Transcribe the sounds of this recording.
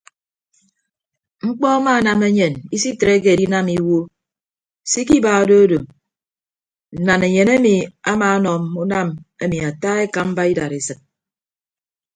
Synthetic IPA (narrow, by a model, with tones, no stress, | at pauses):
ŋ͡m̩˦k͡pɔ˦a˦ma˦˨na˨me˦ɲe˨ni˦si˦tɾe˦k̬e˨di˦na˦mi˦wo˦ | si˦ki˦ba˨o˨do˦o˦do˨m | n̩˨na˨ne˨ɲe˨ne˦mi˨a˦maː˨˦nɔ˨mu˦na˦me˦mi˨a˨taː˦e˦ka˨˦m̩˦ba˦i˦da˨ɾe˨sɨ˨k̚